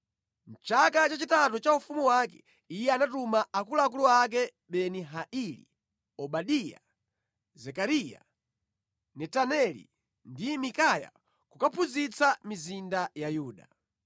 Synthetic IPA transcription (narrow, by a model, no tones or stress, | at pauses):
n̩t͡ʃakat͡ʃat͡ʃitatut͡ʃaufumuwakɛ̥̰ | ijɛanatumaakulaak̬uluak̬ɛ | ɓɛniɦaʔilḭ | ɔɓaɗija̰ | zɛkaɾija̰ | nɛtanɛlḭ | ndimikaja̰ | kukapʰuzit͡samizindajajuːɗa̰